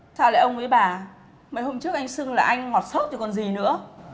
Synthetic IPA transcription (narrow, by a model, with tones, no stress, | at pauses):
tʰaː˧˩la̰ː˨˧˩ʔə˧wŋ͡mkwḭ˧˥ɓaː˨˩ | mə̰˨˧˥jho˧mt͡ɕɨ˦˥ək̚ʔa˧jŋ̟sɨ˧əŋlaː˨˩ʔa˧jŋ̟ŋɔ˨˩t̚sə˦˥t̚t͡ɕɔ˧˩kɔ˨˩nzi˨˩nɨ̰˧˥ə